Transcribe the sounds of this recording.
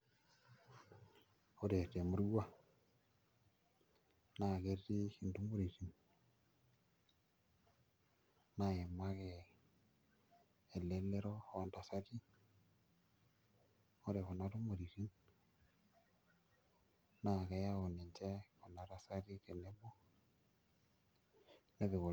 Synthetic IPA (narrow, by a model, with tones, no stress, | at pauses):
o˦ɾe˨te˨mu˨˦ɾu˦wa˦ | na˦˨ke˦ɾi˦hi˨ndu˦mo˦ɾi˨ɾi˨n | na˨e˨ma˦ke˨ | e˨le˦le˦ɾɔ˦˨a˨nda˨sa˦ɾi˦ | o˦ɾe˨ɣo˨na˦ɾu˦mo˨ɾi˨ɾi˦n | na˨ɣɛ˨ja˦o˨ne˨nt͡ʃɛ˦ko˨na˨ɾa˨sa˦ɾi˦ke˨ne˦βɔ˦ | ne˦βe˨ɣo˨